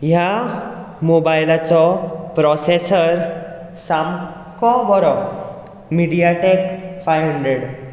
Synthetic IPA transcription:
ja | mobajlat͡sɔpɾɔsesəɾ | sam | kɔbɔɾɔ | miɽijaʈekfajɦuɳɖɾeɽ

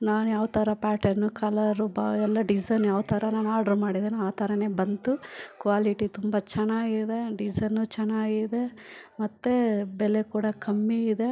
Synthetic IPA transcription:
naːnujaːʋt̪ɐɾɐpaːʈɐnukɐlɐɾubaɛlːɐɖid͡ʒɐnjaːʋt̪ʰɐɾɐnaːnaːɾɖɐɾmaːɽid̪enaːt̪ɐɾɐneːbɐnt̪ukʋaːliʈit̪umbɐt͡ʃɛnːaːɡid̪e̞ɖid͡ʒɐnut͡ʃɛnːaːɡid̪e̞mɐt̪ːebɛlekuːɽɐkɐmːiːd̪e

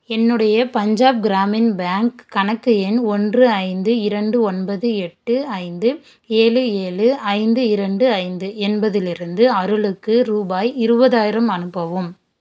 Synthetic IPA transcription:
ɛnːɯɽɐjɐpɐɲd͡ʒaːb̚ɡɪɾaːmɪnbaːŋkkːɐnɐkːɯɛnɔndrɯɐɪnd̪ɯɪɾɐɳɖɯɔnbɐðɯɛʈːɯɐɪnd̪ɯ | eːɻɯeːɭɯɐɪnd̪ɯɪɾɐɳɖɯɐɪnd̪ɯɛnbɐðɪlɪɾɯnd̪ɯɐɾɯɭɯkːɯɾuːbaːjɪɾɯbɐðaːjɪɾɐmɐnɯpːɐʋɯm

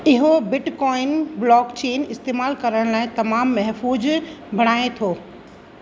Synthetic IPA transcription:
ɪɦobɪʈkɔːɪnblɔːkt͡ɕeːnɪst̪eːmaːlkɐɾəɽ̃laːɪt̪ɐmaːmːɐɦfuːd͡ʑbʱɐɽ̃aːet̪ʰoː

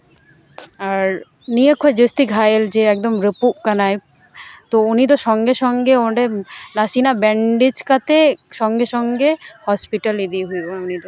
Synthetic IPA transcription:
aɾ | niekʰːoed͡ʑest̪iɡʱajeld͡ʑeɛk̚d̪omɾepupkanaj | t̪ounit̪̬oʃɔŋɡeʃɔŋɡeoɖenasinabɛɳɖid͡ʑkat̪eʃɔŋɡeʃɔŋɡehɔspiʈalid̪iɦujonit̪o

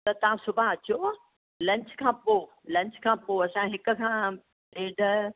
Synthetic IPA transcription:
t̪ɐt̪ɐãsʊbʱaɐt͡ɕo | lɐ̃ɲt͡ɕkʰãːpo | lɐ̃ɲt͡ɕkʰãːpoɐsãɦɪkʊ̆kʰãː | ɾeːɖʱə

